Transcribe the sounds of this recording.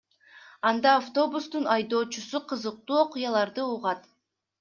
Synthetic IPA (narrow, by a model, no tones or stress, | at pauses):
ɑnd̪ɑːft̪o̞bust̪unɑjd̪o̞ːt͡ʃusuqʰɯzɯq̚t̪uːo̞qʊjɑlˠɑɾd̪ɯuʁɑt̪